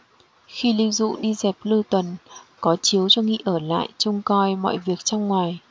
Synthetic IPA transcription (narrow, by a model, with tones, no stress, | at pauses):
xi˧li˧zṵ˧˨ɗi˧zɛ˨˩p̚lɨ˧t̪wə˨˩nkɔ˨˦t͡ɕi˨˦əwt͡ɕɔ˧ŋḭ˧˨ʔəː˧˩la̰ː˧˨jt͡ɕʊ˧wŋ͡mkɔ˧jmɔ̰˧˨jvi˨˩ək̚t͡ɕɔ˧wŋ͡mŋwaː˨˩j